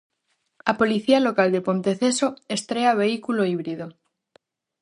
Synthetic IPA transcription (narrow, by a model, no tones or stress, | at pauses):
apo̞liθialo̞kald̪epo̞nt̪eθesoest̪ɾeaβ̞e̞ikuloiβ̞ɾið̞o